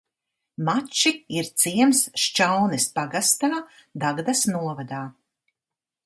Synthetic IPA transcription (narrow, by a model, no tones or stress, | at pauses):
mat͡ʃiiɾt̪siɛmsʃt͡ʃawnɛspaɡast̪aːd̪aɡd̪asnuɔvad̪aː